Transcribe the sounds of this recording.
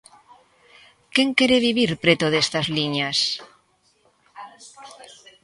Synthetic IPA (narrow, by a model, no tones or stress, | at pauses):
keŋkeɾeβiβiɾpɾet̪oðest̪azliɲas